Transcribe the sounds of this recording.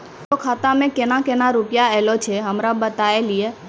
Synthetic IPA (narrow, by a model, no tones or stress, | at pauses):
t̪okʰat̪amẽkenakenaɾupjaɛlot͡ʃʰeɦəmɾabət̪aelie